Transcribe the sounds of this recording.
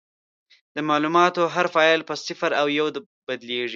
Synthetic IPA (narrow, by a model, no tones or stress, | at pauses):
d̪̥əmɑlumɑt̪oɦaɾfɑjɑlpəsɪfaɾawjawd̪ | bad̪leʐi